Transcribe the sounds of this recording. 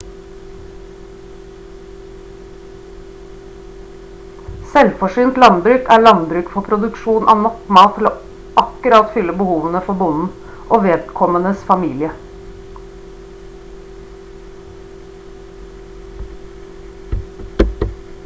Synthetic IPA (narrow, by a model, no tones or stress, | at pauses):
sɛlfɔʂyːnt̪lɑnbɾʉːkæːɭɑnbɾʉːkfɔpʰɾʊd̪ʉkʃuːnʔɑ̰ːʋnɔkmɑːt̪ʰːɪloː | ʔɑkʉɾɑt̪fʏlːəbəhuːʋənəfɔbʊnn̩ | ʔoːʋeːd̪kʰɔmənəsfɑmiːlɪə